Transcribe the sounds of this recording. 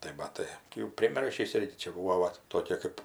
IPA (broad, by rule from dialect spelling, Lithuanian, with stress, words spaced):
tɐɪ mɐˈtɐɪ tɐɪ jɛʊ pʲrʲɪˈmʲɪrʲʃʲiːs ˈɪrʲɡʲɪ ˈt͡ʃʲɛ ˈbuːʋoː ˈʋɐt toːˈkʲeː kɜp